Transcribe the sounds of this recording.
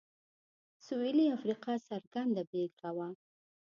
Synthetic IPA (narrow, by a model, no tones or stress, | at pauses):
sueliafɾiqɑsaɾɡand̪abeɡɾawa